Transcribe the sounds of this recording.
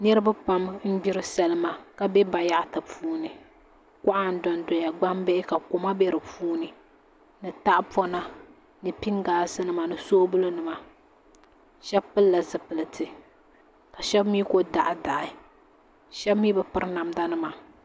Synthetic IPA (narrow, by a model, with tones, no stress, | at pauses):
nɛ˦ɾɨ˦ba˦pa˦mn̩˦bi˦ɾɨ˦sɛ˨lɨ˦ma˨ka˨bɛ˦ba˨ja˦ʔta˨puː˦nɨ˨ | ka˦ʔa˦n̩˦dɔ˨n˦dɔ˨ja˨ɡ͡ba˦mbɛ˦ʔɪ˦ka˨ko˨ma˦bɛ˦ɾɨ˨puː˦nɨ˨ | nɨ˨ta˦ʔpɔ˦na˦ | nɨ˨pi˦ŋɡaː˨˦sɨ˦nɨ˦˨ma˨nɨ˨soː˦bɨ˦lɨ˦nɨ˨ma˨ | ʃɛ˦bpɨ˦lːa˨zɨ˨pɨ˨lɨ˨tʰɨ˨ | ka˨ʃɛ˦bmiː˦ko˦da˨ʔɪ˨da˨ʔɪ˨ | ʃɛ˦bmiː˦bɨ˨pɨ˦ɾna˨mda˦nɨ˦ma˨